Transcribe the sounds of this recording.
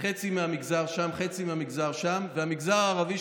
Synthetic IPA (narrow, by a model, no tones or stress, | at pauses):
χet͡simeamiɡzaʁʃamχet͡simeamiɡzaʁʃamveamiɡzaʁaːʁavi